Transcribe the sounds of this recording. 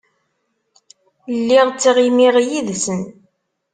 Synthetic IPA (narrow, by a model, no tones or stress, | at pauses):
lːiʁt͡sːiʁimiʁjiðsən